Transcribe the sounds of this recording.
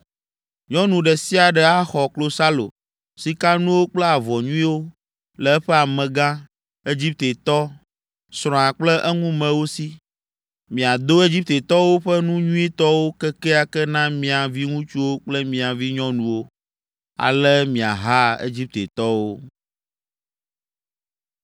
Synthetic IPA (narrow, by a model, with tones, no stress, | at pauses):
ɲɔ̃˦nũ˨ɖɛ˨si˦a˨ɖɛ˨a˦xɔ˨klo˨sa˦lo̰˨ | si˦ka˦nũ˦wo˦k͡plɛ˦a˨vɔ˨ɲũ˦i˦wo˦ | lɛ˨ɛ˦ɸɛ˦a˨mɛ̃˨ɡã˦ | e˦d͡ʑi˦p̚t̪e˨t̪ɔ˦ | sɾ̃ɔ̃˨a˨k͡plɛ˦ʔɛ˦ŋũ˦mɛ̃˨wo˦si˦ | mĩ˨a˨d̪o˦e˦d͡ʑi˦p̚t̪e˨t̪ɔ˦wo˦ɸɛ˦nũ˦ɲũ˦i˦t̪ɔ˦wo˦kɛ˦kɛ˦a˨kɛ˦nã˦mĩ˦a˨vi˦ŋũ˦t͡ʃu˦wo˦k͡plɛ˦mĩ˨a˨vi˦ɲɔ̃˦nũ˨wo˦ | a̰˨lɛ˦mĩ˨a̰˨ɦa˦ḛ˦d͡ʑi˦p̚t̪e˨t̪ɔ˦wo˦